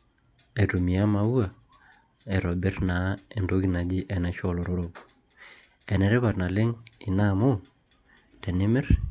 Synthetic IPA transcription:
e˨tu˨mi˨a˦ma˦wwa˨ | e˨ɾo˨bɪ˦ɾna˨˦e˨ndo˦ki˦na˨d͡ʒi˦ʔɛ˨na˨ʃo˦˨lo˨ɾo˦ɾop | ɛ˨nɛ˨ɾɛ˦βa˨ɾna˨lɪ˦ŋi˨na˦mo˦ | tɛ˨nɪ˦mɛ˦ɾ

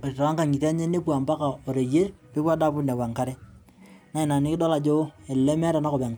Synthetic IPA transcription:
ta˦ŋka˨ŋi˨ta˦ɲe˦ne˦pwa˨mba˦ka˨o˨ɾe˨je˦rpɪ˦pwa˦da˦pu˦na˨wa˨ŋka˦ɾe˦ | na˦i˨na˨nɪ˦kɪ˦dɔ˦la˨d͡ʒo˦e˨lle˦mɛ˦ɾa˨na˦ko˨pɛ˨ŋ

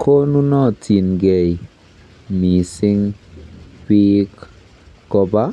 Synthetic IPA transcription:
kʰo˦nu˦nɔ˦˨tʰi˨nɡɛ˨j | mi˨sɪ˦ŋ | pi˦k | kɔ˨˧ba˦

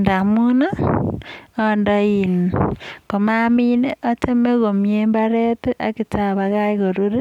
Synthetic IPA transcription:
nda˨mu˦na˦ | a˨ndɔ˨i˨n˨ko˨ma˦mi˦ne˦ʔa˦te˦me˦ɣo˨mjemba˦ɾe˦te˦ʔa̰˨ki˨ta˨βa˨ɣa˦i˦ɣo˨ɾu˦ɾe˦

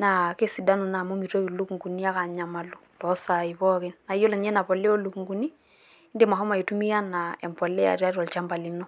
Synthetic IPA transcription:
na˨ke˦si˨da˦nu˨na˨mo˦mi˨ɾo˦˨lu˦ku˨ŋɡu˨ni˦a˦ka˨ɲa˨ma˨lu˨tɔ˨˦sa˨i˨βɔ˦ke˦nna˨˦jo˦la˨ɲɛ˦na˨pɔ˨le˦o˦lu˨ku˨ŋɡu˨ni˦ | nde˨ma˨ɦɔ˦ma˨i˨tu˦mi˦ja˦na˨ɛ˨mpɔ˨lɛ˦a̰˨ɾi˦a˦ɾɔ˨lt͡ʃa˦mba˨li˨nɔ˦

